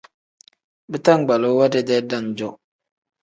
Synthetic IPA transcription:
bɨ˦ta˦˨ŋ˨ɡ͡ba˨lo˦wa˦de˦dɛ˦da˦˨nd͡ʒɔ˦

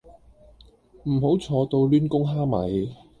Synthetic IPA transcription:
m̩˨˩ɦo˨˥wt͡sʰɔː˨˧t̪o˧wlyː˥nkʊ˥ŋɦaː˥mɐ̰˨˥j

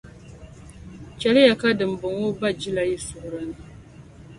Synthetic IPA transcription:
t͡ʃɛ˨lɪ˦ja˨ka˦dɨ˨m̩˨bʊ˨ŋo˦ba˦d͡ʒi˦la˨ji˦sʊ˨ʔʊ˨ɾa˦nɨ˨

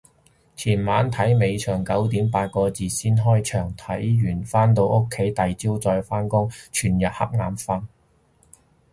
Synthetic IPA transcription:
t͡sʰiː˨˩nmaː˨˥nt̪ʰɐ˨˥jme˨˧jt͡ʃʰœː˨˩ŋkɐ˨˥wt̪iː˨˥mpaː˧t̚kɔː˧t͡siː˨˧siː˥nɦɔː˥jt͡ʃʰœː˨˩ŋt̪ʰɐ˨˥jjyː˨˩nfaː˥nt̪̬o˧wʊ˥kʰːe˨˥jt̪ɐ˨jt͡siː˥wt͡sɔː˧jfaː˥nkʊ˥ŋt͡ʃʰyː˨˩njɐ˨t̚hɐ̰˥p̚ŋaː˨˥nfɐ˧˥n

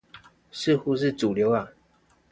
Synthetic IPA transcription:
ʂɻ̩˥˨xu˧˦ʂ̬ɻ̩˥˨ʈ͡ʂu˨˩ljo˧˦ʊa˨

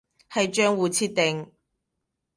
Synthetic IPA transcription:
hɐ˨jt͡ʃœː˥ŋwuː˨t͡sʰiː˥t̪̚e˨ŋ

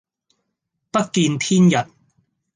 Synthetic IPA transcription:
pɐ˥t̚kiː˧nt̪ʰiː˥njɐ˨t̚

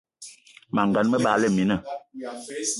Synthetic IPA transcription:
ma˨ŋɡa˨nmə˦ɓaː˨˦lɛ˦˨mi˨nə˨

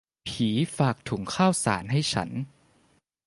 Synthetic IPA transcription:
pʰiː˩˦faː˨˩k̚t̪ʰuː˩˦ŋkʰaː˥˩wsa̰ː˩˦nɦa˥˩jt͡ɕʰa̰˦˥n

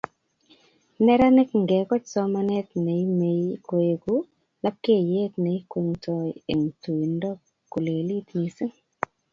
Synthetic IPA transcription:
nɛ˦ɾa˦nɪ˦kŋɡɛ˨kɔ˦t͡ʃsɔ˦ma˦nɛ˦tne˨i˦me˨˦ko˨e˨ku˦ | la˦p̚ke˦˨je˦tne˨i˦ke˨ŋtʰɔ˦jḛ˨ŋtu˨i˨ndɔ˦ | kːu˨le˨li˦tni˨sɪ˦ŋ

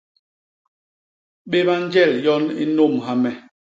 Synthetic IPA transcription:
ɓe˦βa˦n˦d͡ʒɛ˦˨ljɔ˦nḭ˦no˦˨mɦa˦mɛ˨

